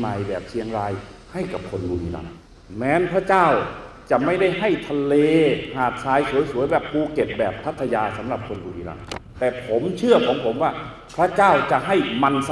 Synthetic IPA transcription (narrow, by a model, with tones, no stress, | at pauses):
ma˨˩jbɛː˨˩p̚sʰi˧əŋɾaː˧j | ha˥˩jka˨˩p̚kʰo˧nbuː˧niː˧la̰˧˩ŋ | mɛː˨˦˥npʰɾa˧˥t͡ɕaː˥˩wt͡ɕa˨˩ma˥˩jda˥˩jɦa˥˩jt̪ʰa˧leː˧haː˨˩t̪̚saː˧jsu˨˩˦jsu˨˩˦jbɛː˨˩p̚ːuː˧ke˨˩t̪̚bɛː˨˩p̚t̪ʰa˦˥˩t̪ʰːa˧jaː˧sa˩˦mɾa˨˩p̚kʰo˧nbuː˧liː˧la̰˧˩ŋt̪ɛː˨˩pʰo˨˦mt͡ɕʰɯ˥˩ɐkʰɔː˨˦ŋpʰo˨˩˦mwaː˧˥˩ | pʰɾa˧˥˨t͡ɕaː˥˩wt͡ɕa˧˩ʔɦa˥˩jma˧ns